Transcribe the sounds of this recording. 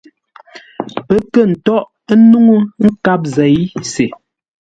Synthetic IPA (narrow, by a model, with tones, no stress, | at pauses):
pə˦kə˦˨n̩˨tɔ˦ʔ | nu˦ŋu˦ŋ̩˦ka˦p̚zɛ˨jse˨